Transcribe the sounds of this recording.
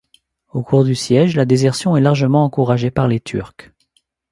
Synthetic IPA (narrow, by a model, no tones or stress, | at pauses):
okʰuʁd̪ysjɛʒlad̪ezɛʁsjɔ̃ɛlaʁʒəmɑ̃ɑ̃kuʁaʒepaʁlet̪ʰy̰ʁk